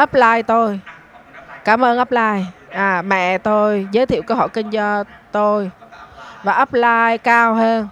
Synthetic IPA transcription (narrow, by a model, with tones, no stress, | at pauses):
ʔə˦˥p̚laː˧jt̪o˧j | kaː˧˩mʔəː˧nʔə˦˥p̚laː˧jʔaː˨˩mɛ̰˧˨t̪o˧jzəː˨˦jt̪ʰi˧˨wkəː˧ɦɔ̰˧˩jkï˧ŋ̟t͡ɕɔ˧t̪o˧j | vaː˨˩ʔəː˦˥p̚laː˧jkaː˧wɦəː˧n